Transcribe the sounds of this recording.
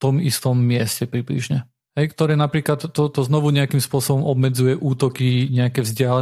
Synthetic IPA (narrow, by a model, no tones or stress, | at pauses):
t̪ɔmist̪ɔmːɪɛscɛpɾiblḭʒɲɛ | ɦɛjkt̪ɔɾɛːnapɾiːklat̪ːɔt̪ɔznɔʋuɲɛakimspʊɔsɔbɔmʔɔbmɛd͡zujɛʔuːt̪ɔkiɲɛakɛːvzɟɪalɛ